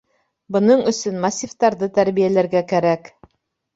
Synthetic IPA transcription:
bɤ̆nɤɴɵ̆sɵnmɑsʲift̪ɑɾðɤt̪æɾβijælæɾɡækæɾæk

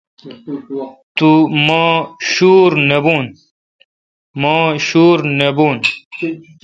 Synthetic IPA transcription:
t̪umaːɕuːɾnebuːn | mõːɕuːɾnebuːn

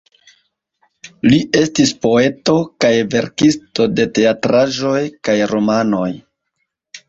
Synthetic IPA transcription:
liʔe̞stispo̞e̞to̞kajve̞ɾkisto̞de̞te̞atɾaʒo̞jkajɾo̞mano̞j

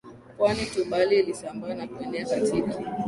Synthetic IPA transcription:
pwanitumɓalialisambaːnakuɛnɛakatʰiki

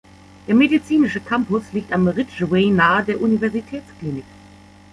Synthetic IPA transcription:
d̥eːɐmedit͡siːnɪʃəkʰampʊsliːk̚tamʁɪtʒeːnaːədeːɐʔunivɛɐzitʰɛːt͡skliːnɪk

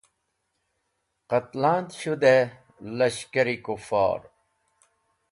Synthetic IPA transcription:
qɐt̪lãːnt̪ɕud̪e | lɐɕkɐɾikufa̰ːɾ

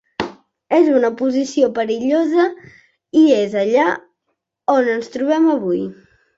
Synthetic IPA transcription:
ezunəpuzisiopəɾiʎozə | iezəʎa | onənst̪ɾuβ̞ɛməβuj

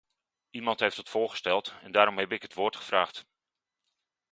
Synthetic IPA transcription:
imɑntɦejftətfʊːχə̥stɛlˠtɛndaːɾɔmɦɛbɪkɦətʋʊːɹtχə̥v̥raːχt

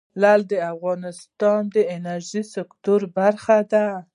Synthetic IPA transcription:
lald̪əafɣɑnɪst̪ɑnd̪əɪnaɾʒisɪkt̪ʊɾbaɾxad̪a

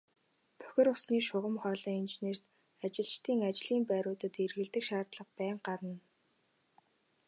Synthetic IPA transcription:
pʰœ̥xʲɪ̆rʊsniːʃʊʁə̆mχœːɮiːŋint͡ɕeneːr̥t̪ | at͡ɕɪ̆ɬt͡ɕt̪ʰiːŋat͡ɕɮiːmpæːɾʊːt̪ə̆t̪erɣɘ̆ɮt̪ɘ̆kʃaːrt̪ɮə̆χpæːɴɢaɾə̆n

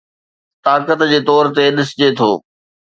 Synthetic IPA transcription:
t̪aːkət̪d͡ʑeːt̪ɔːɾt̪eɗɪsd͡ʑet̪ʰo̰ː

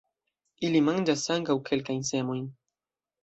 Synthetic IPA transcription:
ilimand͡ʒasaŋkawkʰe̞lkajnse̞mojn

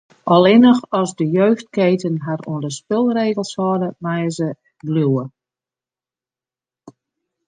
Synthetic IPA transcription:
ʔɔlˠɪnəxɔzdəjøːxt̚keːtənɦarṵəndəspɪlˠreːɣəlˠshɔdəʋajəzə | bluwə

